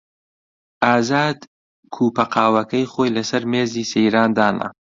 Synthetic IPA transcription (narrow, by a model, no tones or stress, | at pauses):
ʔaːzaːd̪ | kʰuːpɐqʰaːwɐkɐjχoːjlɐsɐɾmeːziːsejɾaːnd̪aːnɐ̰